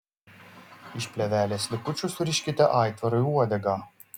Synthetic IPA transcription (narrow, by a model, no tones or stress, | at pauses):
ɪʃpʲlʲɛʋʲæːlʲeːslʲɪkʊt͡ʃʲʊsʊɾʲɪʃʲkʲɪt̪ʲɛʔɑˑɪt̪ʋɐɾɔjuɔd̪ʲɛɡɑː